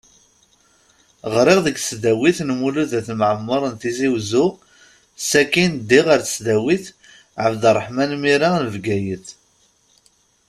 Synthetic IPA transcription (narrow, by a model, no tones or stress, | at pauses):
ʁɾɪʁðəɡsd̪æwiθnmuluðæθmʕəmːəɾˤənt̪iziwzu | sækːind̪iʁəɾθə̥sd̪æwiθ | ʕəvd̪ərˤːəħmænmiɾanəvɡæjəθ